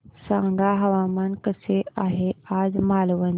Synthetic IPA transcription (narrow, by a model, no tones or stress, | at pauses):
sãːŋɡaɦɐʋaːmənkəsʰeaːɦeaːzmaːluʋə̃n